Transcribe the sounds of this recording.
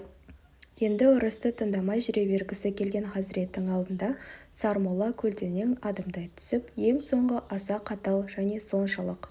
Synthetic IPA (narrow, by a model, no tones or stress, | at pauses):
je̞nd̪ɪʊɾəst̪ət̪ʰənd̪ɑmɑjʒʏɾe̞be̞ɾɡʲɪsɪkʲʰe̞lɡʲe̞nχɑzɪɾe̞t̪ːɪŋɑlˠd̪ənd̪ɑsɑɾmolˠɑkʲʰɵlt̪e̞ne̞ŋɑd̪əmd̪ɑjt̪ʰʏ̥sɪpje̞ŋso̞ɴʁəʔɑsɑqʰɑt̪ɑlˠʒæne̞so̞nʃɑlˠəq